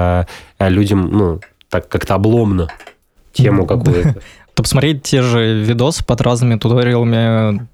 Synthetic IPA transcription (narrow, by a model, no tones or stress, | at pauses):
lʲudʲəmnu | t̪akːakt̪əɐblˠo̞mnə | tʲʰemʊkɐkujʊtə | t̪opsmɐt̪ɾʲet̚ʲtʲeʐɨvʲɪd̪osɨ̥pɐd̪rʔaznɨmʲɪt̪ʊt̪oɾʲɪlˠəmʲɪ